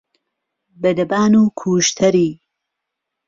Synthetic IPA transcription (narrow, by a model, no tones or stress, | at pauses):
bɐd̪ɐbaːnuːkʰuːʃt̪ʰɐɾiː